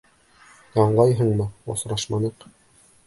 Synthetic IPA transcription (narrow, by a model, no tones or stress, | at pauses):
j̪ɑɴɢɑjɦɤɴmɤo̰sɾɑʃmɑnɤq